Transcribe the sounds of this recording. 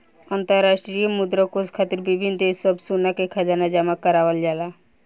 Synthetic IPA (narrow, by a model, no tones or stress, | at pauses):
ənt̪əɾːaʃʈɾijəmud̪ɾəkoskʰat̪iɾbibʱind̪esəbsunakekʰəd͡ʒanad͡ʒamakəɾaʋəld͡ʒala